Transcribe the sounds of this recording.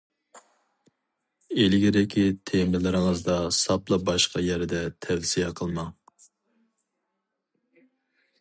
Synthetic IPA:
elɪɡʲiɾɪkʲʰit̪ʰemɪlɪɾɪŋəzd̪ɑsɑplˠɑbɑʃqɑjɛɾɪd̪ɛt̪ʰɛvsijɛqʰəlˠmɑ

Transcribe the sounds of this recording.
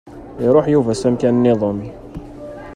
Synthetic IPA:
ɾˤoħjuvæsæmkænənːɪðˤɑmi

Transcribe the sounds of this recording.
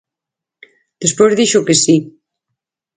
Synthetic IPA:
d̪̥espozðiʃokesi

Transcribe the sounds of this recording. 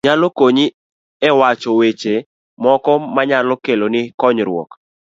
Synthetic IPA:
ɲalɔkoɲi | ɛwat͡ʃɔwet͡ʃe | mɔkɔmaɲalɔkelonɪkɔɲɾwɔ̰k

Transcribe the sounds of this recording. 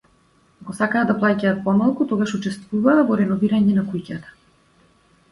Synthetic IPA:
aɡɔsakaːd̪aplˠacaːt̪̚pɔmalˠkut̪ɔɡaʃut͡ʃɛst̪vuvaːvɔɾɛnɔviɾaɲɛnakujcat̪ḁ

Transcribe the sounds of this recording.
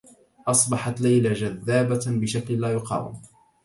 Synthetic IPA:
ʔɑsˤbɑħɑt̪lajlad͡ʒaðːaːbabɪʃakllaːjʊqɑ̰ːwɪ̰m

